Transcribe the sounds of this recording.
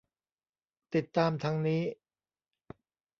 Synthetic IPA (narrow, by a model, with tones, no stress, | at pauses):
t̪i˨˩t̪ːaː˧mt̪ʰa˦˥ŋniː˦˥